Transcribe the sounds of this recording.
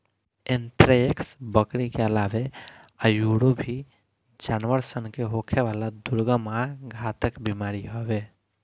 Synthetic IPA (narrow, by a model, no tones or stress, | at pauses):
ent̪ɾeeksbəkɾikeəlabe | ajuɽobʱi | d͡ʒanʋəɾsənkeɦokʰeʋalad̪uɾɡəmaɡʱat̪əkbimaɾiɦɔbe